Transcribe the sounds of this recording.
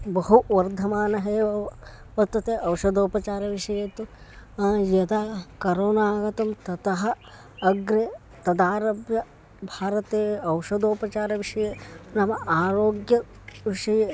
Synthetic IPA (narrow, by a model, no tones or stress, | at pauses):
bɐɦuʋɐɾd̪ʱɐmaːnɐɦeː | ʋɐt̪ːɐt̪eːʔɐwʂɐd̪oːpɐt͡ʃaːɾɐʋiʂɐjɐt̪u | jɐt̪akɐɾoːnaːɡɐt̪ɐmt̪ɐt̪ɐɦɐ̆ | ɐɡɾe | t̪ɐd̪aːɾɐbjɐ | bʱaːɾɐt̪eːɐwʂɐd̪oːpɐt͡ʃaːɾɐʋiʂɐjɐnɐmɐaːɾoːɡjɐ | ʋiʂɐjɐ